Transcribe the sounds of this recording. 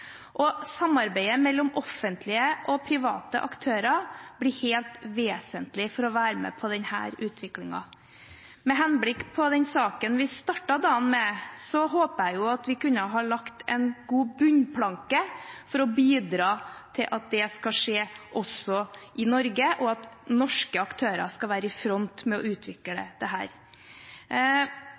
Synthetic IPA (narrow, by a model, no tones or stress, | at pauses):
ʔɔsɑmːɑɾbæɪəmɛlːɔmɔfːənt̪ʰlɪəʔɔpʰɾɪʋɑ̰ːt̪ə̰ʔɑkt̪ʰøːɾɑb̥lɪheːlt̪ʋeːsənt̪lɪfɔɾɔʋæːɾəmɛ̰pʰɔd̪ɛnhæ̰ːɾʉːt̪ʰʋɪklɪŋɑ̰ | mɛɦɛnblɪkːpʰɔd̪ɛnsɑːkənʋɪst̪ɑʈːɑd̪ɑːnmɛsɔɦoːpəæɪjʊɑt̪ʋɪkʉnːəɦɑːɭɑkt̪ʰɛ̰nɡuːbʉɲpʰlɑŋkəfɔɾɔbiːd̪ɾɑːt̪ʰɪlʔɑt̪̚d̪ɛskɑʂeːʔɔsɔʔɪnɔɾɡəʔɔɑt̪nɔʂkəɑkt̪ʰøːɾɑ̰skɑʋæːɾəɪfɾɔnt̪mɛɔʉːt̪ʰʋɪkləd̪ɛ̰d̪̥ɛɦæ̰ːɾ